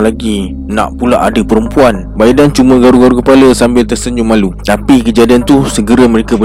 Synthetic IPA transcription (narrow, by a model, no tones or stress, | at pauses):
laɡi | nã̰ʔpulaʔadəpəɾəmpuan | baidant͡ʃuməɡaɾuɡaɾukəpaləsambɪlt̪ərsəɲd͡ʒʊŋmalut̪apikəd͡ʒadiant̪usəɡəɾəmə̃ɾekabə